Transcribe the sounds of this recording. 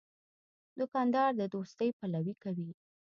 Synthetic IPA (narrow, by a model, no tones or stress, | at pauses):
d̪ʊkɑnd̪ɑɾd̪əd̪ost̪əjpalawikawi